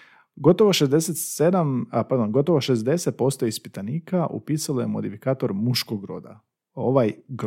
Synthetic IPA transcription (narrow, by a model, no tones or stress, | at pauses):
ɡo̞t̪o̞ʋoʃezd̪e̞set̪sed̪ampaɾd̪o̞nɡo̞t̪oʋoʃezd̪e̞set̪̚po̞st̪oispit̪aniːkaʔṵpiːsaloje̞mo̞d̪ifikaːt̪o̞ɾmuʃkoɡɾo̞̰d̪a̰ | o̞ʋajɡ